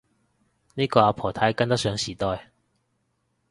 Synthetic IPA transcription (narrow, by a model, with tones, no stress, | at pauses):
niː˥kɔː˧a˨˧pʰɔː˨˩t̪ʰa˨˥jkɐ˥ŋt̪ɐ˥sœː˨˥ŋsiː˨˩t̪ɔː˧j